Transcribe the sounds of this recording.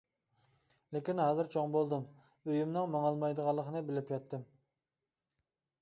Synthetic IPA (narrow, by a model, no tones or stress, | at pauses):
lɪkʲinɦɑːzɨɾt͡ʃʰoŋbolˠd̪ɨm | øjymnɨŋmɑŋɑlˠmɑjd̪əʁɑlˠːəqʰənɨbɪlɪpjɑt̪ʰːɨm